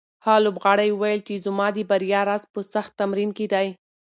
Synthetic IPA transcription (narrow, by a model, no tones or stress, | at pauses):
hɑlobɣɑɽajwajəlt͡ʃezʊmɑd̪əbaɾijɑɾɑzpəsaxt̪ːamɾinked̪aj